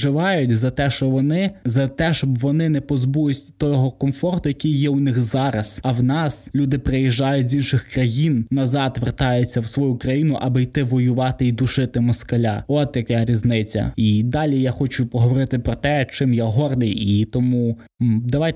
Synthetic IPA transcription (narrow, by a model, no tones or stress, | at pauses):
ɪʋɑjʊt̚ʲzɐt̪ɛʃt͡ʃɔʋɔnɪzɐt̪ɛʃt͡ʃɔbʋɔnɪnɛpɔzbujʊsʲt̪ɔɦɔkɔmfɔrt̪ʊjɐkʲijːɛʊnɪxzɑɾɐsɐwnɑslʲud̪ɪpɾejiʒɑjʊtʲzʲinʃɪxkrɐjinnɐzɑd̪ʋert̪ɑjʊt͡sʲːɐwsʋɔjukɾɐjinʊʔɐbɪjt̪ɪʋɔjʊʋɑt̪ɪid̪ʊʃɪt̪ɪmɔskɐlʲɑ̰ɔt̪jɐkɛɾʲiznɪt͡sʲːɐ̰id̪ɑlʲijaxɔt͡ʃʊpɔɦɔʋɔɾɪt̪ɪpɾɔt̪ɛt͡ʃɪmjaɦɔrd̪ɪjit̪ɔmu | d̪ɐʋɑjt̪